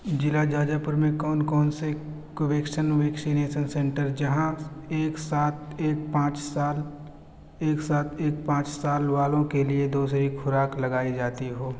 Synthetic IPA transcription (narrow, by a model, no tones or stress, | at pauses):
d͡ʒɪlad͡ʒaːd͡ʒapʊɾmẽkɔːnkɔːnse | koʋeːkʃənʋeːksineːʃənsẽːɳʈəɾd͡ʒɐɦãeːksaːt̪ʰeːk̚pãːt͡ʃsaːl | eːksaːt̪ʰeːk̚pãːt͡ʃsaːlʋaːlõkelied̪oːsɾixʰʊɾaːklɐɡaːid͡ʒaːt̪iɦoː